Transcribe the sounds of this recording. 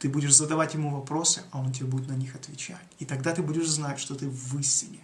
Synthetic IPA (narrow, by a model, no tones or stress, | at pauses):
t̪ɨbudʲɪʂzəd̪ɐvatʲjɪmuvɐpɾo̞sɨʔɐo̞ntʲɪbʲebudɪt̪nɐnʲixɐt̪vʲɪt͡ɕæ̰tʲit̪ɐɡd̪at̪ɨbudʲɪʂznatʲʂt̪o̞t̪ɨːɨsʲtʲɪnʲɪ